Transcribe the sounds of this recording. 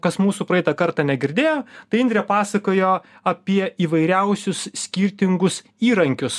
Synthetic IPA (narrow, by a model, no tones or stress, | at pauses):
kɐsmuːsuːpɾɐɛɪt̪ɐkɐɾt̪ɑːnʲɛɡʲɪɾʲd̪ʲeːjoːt̪ɐɪɪnʲd̪ɾʲɛpɑːsɐkoːjoː | ɐpʲiɛiːʋɐɪɾʲɛʊsʲʊssʲkʲiɾʲt̪ʲɪŋɡʊs | iːɾɐŋʲkʲʊs